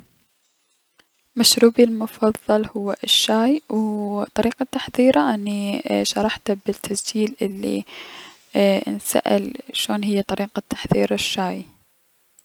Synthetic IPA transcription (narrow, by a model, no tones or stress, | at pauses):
maʃɾuːbilmʊfɑðˤːɑlhʊwːaʃːaːjwt̪ˤɑɾiːqat̪ːaħðiːɾaʔanːiʃɑɾˤɑħt̪bɪt̪ʰːasd͡ʒiːlʔɪlːḭ | nsa̰ʔɪ̰lʃoːnɦɪjːat̪ˤɑɾiːqat̪ʰːḁħðḭːɾaʃːaːj